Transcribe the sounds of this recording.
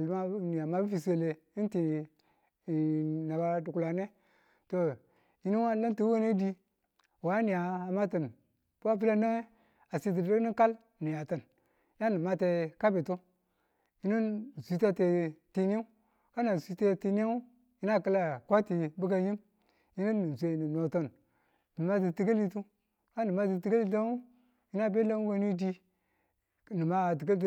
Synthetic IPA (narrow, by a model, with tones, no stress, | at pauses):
lma˦ni˨a˨ma˨bi˦fi˨se˦le˨ | i˦nti˨ | na˨ba˦du˨ku˨la˨ne˦ | to˨ | ji˦ni˦n˦a˦la˦nti˨˦we˦ne˦di˦ | wa˨˦ni˨a˨a˨ma˦ti˨n | pu˦a˦fi˦la˦na˦ | a˨si˦t̬i˨˦o˦ni˦ka˦l | ni˨ja˨ta˨n | ja˦ni˨ma˦te˨ka˦bi˨tu˦ | ji˦ni˦n˨si˨˦t̬a˦te˨ti˦n˦i˦ | ka˦na˨si˨te˦ti˦n˦a˦ | ji˦na˦˨ka˦la˨kʷa˦ti˨bu˦ka˦ji˦m | ji˦ni˦nːi˨zʷe˨ni˨no˨to˦˨n | ni˨ma˦t̬i˨ti˨ɡa˦li˦tu˦ | ka˦ni˨ma˦t̬i˨ti˨ɡa˦li˦da˦ŋu˦ | ji˦na˦˨be˦la˦we˦ni˦di˦˨ | ni˨ma˦˨t̬i˨ɡa˦lt̬